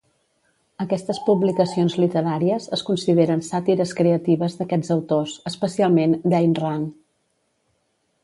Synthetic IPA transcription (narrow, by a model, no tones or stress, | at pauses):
əkɛst̪əspuβlikəsionzlit̪əɾaɾiəzəskunsiðeɾənsat̪iɾəskɾeət̪iβəzðəkɛd͡zəwt̪osəspəsialˠmend̪ɛjnraŋ